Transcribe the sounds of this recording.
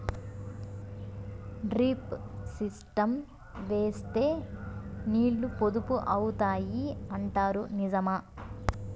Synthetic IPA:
ɖɾiːpsisʈɐm | ʋe̞ːst̪e̞ː | niːɭːupod̪upuʔɐwt̪aːjiɐɳʈaːɾunizɐmaː

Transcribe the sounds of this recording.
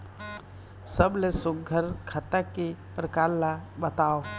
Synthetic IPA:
səblesʊɡʱəɾkʰəʈakepɾəkaːɾlabət̪aːo

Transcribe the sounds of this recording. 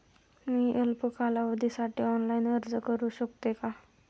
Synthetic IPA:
miːʔelpəkalaʋəd̪ʱisaʈiːɔnlainəɾd͡zəkəɾuːɕəkt̪eka

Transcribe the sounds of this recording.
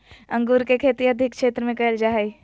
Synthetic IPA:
ɐ̃ŋɡuːɾkekʰeːt̪iɐd̪ʱɪk̚kʰʃeːt̪ɾəmẽkɐld͡ʒaːɦi

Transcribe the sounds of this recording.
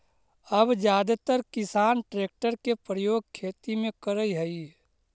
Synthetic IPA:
əbd͡ʒjaːd̪at̪əɾkɪsaːnʈɾeːk̚ʈəɾkepɾəjoːɡ̚kʰeːt̪imẽkəɾəiɦəi

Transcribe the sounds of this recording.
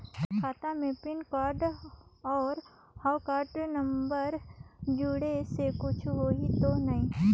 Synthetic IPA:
kʰaːt̪amẽpɪnkaːɾɖɔːɾ | haːwkaːɾʈnɐ̃mbəɾd͡ʒuːɽesekʊt͡ʃʰɦoːit̪onɐɦĩː

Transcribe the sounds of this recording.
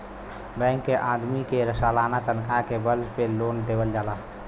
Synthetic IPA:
bɛ̃ŋkːeʔad̪mikeɾəsalanat̪ənkʰakebəlspelond̪eːbəld͡ʒaːla

